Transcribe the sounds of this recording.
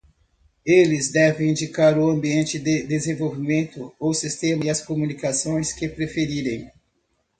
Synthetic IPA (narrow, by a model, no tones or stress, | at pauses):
elɪzd̪ɛvẽj̃ĩnd͡ʒikaɾʊɐ̃mbiẽnt͡ʃɪd̪ɪd̪ezẽvowvimẽnt̪ʊosist̪ẽmɐɪɐskomunikasõj̃skɪpɾefeɾiɾẽj̃